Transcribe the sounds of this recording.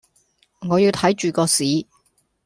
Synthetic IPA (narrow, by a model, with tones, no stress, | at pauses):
ŋɔː˨˧jiː˧wt̪ʰɐ˨˥jt͡ʃyː˨kɔː˧siː˨˥